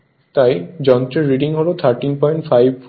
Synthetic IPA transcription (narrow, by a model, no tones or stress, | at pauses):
t̪ajd͡ʑɔnt̪ɾeɾːiɖiŋɦɔlot̪ʰaɾʈinpɔjɳʈfʰajb̚f